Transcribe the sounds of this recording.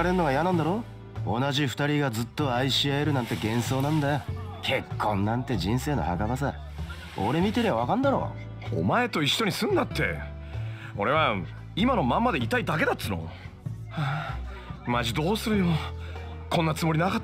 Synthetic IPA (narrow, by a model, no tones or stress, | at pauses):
ɾeɾɯnoɡaijanãnd̪aɾo̞ː | o̰naʑiɸɯ̟t̪aɾʲiɡazɨt̪ːo̞aiɕiaeɾɯ̟nãnt̪e̞ɡẽ̞ɰ̃so̞ːnãnd̪ajokʰe̞kʰːõ̞nnãnt̪e̞ʑĩɰ̃se̞ːno̞̰hakabasa | oɾe̞mʲit̪e̞ɾeβaβakãnd̪aɾo̞̰ː | o̰mae̞t̪o̞iɕːo̞ɲ̟isɨ̃nd̪at̪ːe̞̰ | o̞ɾe̞βa | imano̞mãmːad̪e̞it̪aid̪ake̞d̪at͡sːɨno̞̰ | a | maʑid̪o̞ːsɨɾɯ̟jo | kʰõ̞nːat͡sɨmo̞ɾʲinaka